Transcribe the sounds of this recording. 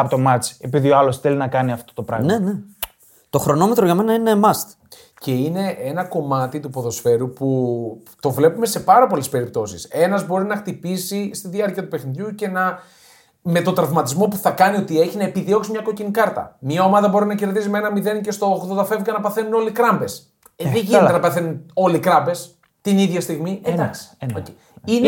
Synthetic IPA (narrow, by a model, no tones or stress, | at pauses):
ɐpot̪o̞mɐt͡si̥e̞piðioɐlo̞sθe̞linɐkɐniɐft̪o̥t̪o̞pɾɐ̰ɣnene | t̪o̞xɾo̞no̞met̪ɾoʝɐme̞nɐinemɐst̪ | ce̞ine̞ʔenɐko̞mɐt̪it̪upo̞ðo̞sfe̞ɾupu | t̪o̞vle̞pume̞se̞pɐɾɐpo̞le̞spe̞ɾip̚t̪o̞sise̞nɐzbo̞ɾinɐxt̪ipisist̪iðiɐɾciɐt̪upe̞xniðʝuce̞nɐ | me̞t̪o̞nd̪ɾɐvmɐt̪izmo̞puθɐkɐnio̞t̪ie̞çinɐe̞piðio̞ksimɲɐko̞cinikɐɾt̪ɐ̰miɐomɐðɐbo̞ɾinɐce̞ɾðizimeenɐmiðe̞nce̞st̪o̞oxoðot̪ɐfe̞vikɐnɐpɐθe̞nuno̞likɾɐmbe̞s | ðeʝinet̪enɐpɐθe̞nuno̞likɾɐmbe̞s | t̪iniðʝɐst̪iɣmiend̪ɐksi̥oce | in